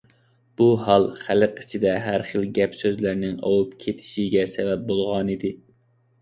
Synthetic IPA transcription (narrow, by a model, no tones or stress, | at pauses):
b̥uɦɑlˠχæləqit͡ʃʰid̪ɛɦæɾχəlˠɡʲɛpsøzlæɾnɪŋɑ̰wupkʲʰet̪ʰɪ̥ʃiɡʲɛsɛvɛp̚bolˠʁɑnɨd̪ɪ